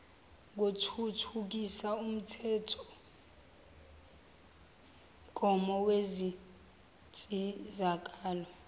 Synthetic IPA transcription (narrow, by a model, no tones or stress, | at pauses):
k̬otʰutʰuk̬isaum̩tʰɛtʰɔ̥ | ɡ̥ʱɔmɔwezi | t͡sʼizak̬ʼaːlɔ